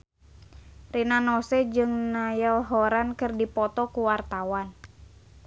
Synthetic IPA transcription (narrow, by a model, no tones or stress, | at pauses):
rinanɔsɛd͡ʒɨŋnajəlɦɔɾankɨrdipɔt̪ɔkuwart̪awan